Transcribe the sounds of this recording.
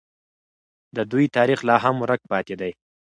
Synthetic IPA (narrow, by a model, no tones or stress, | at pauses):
d̪əd̪ujt̪ɑɾixlɑɦamɾək̚pɑt̪ed̪aj